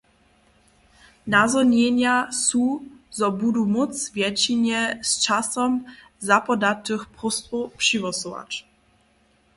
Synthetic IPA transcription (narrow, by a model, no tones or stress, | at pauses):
nazɔɲɛɲasuzɔbud̪umut̪svʲjɛt͡ɕiɲɛst͡ʂasɔm | zapɔd̪atːɘxpʁust̪upʂivɔsɔva̰t͡ʂ